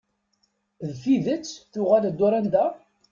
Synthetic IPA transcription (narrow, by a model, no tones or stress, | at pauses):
ðfiðət͡sːθʊʁæld̪ːʊɾænd̪æ